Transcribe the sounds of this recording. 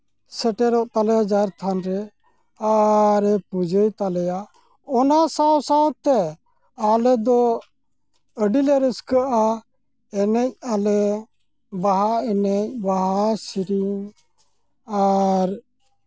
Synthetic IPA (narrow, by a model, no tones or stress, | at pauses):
sɛʈɛɾɔʔt̪alɛjad͡ʒaɾt̪ʰanɾɛ | aɾɛpud͡ʒəjt̪alɛja | ɔnasawsawt̪ɛ | alɛd̪ɔ | əɖilɛɾəskəʔa | ɛnɛc̚alɛ | baɦaɛnɛc̚baɦasiɾiŋ | aɾ